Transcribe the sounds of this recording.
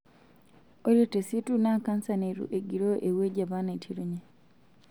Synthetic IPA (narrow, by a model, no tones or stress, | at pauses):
oletesitunakansaneɾṵʔeɡiɾoʔeweɟaβanatʰiɾuɲe